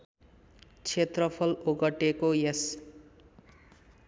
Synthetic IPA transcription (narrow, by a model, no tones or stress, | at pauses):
t͡sʰet̪rʌpʰʌloɡʌʈekojes